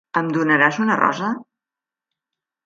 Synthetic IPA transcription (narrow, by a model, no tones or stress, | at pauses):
əmd̪unəɾazunərɔ̰zə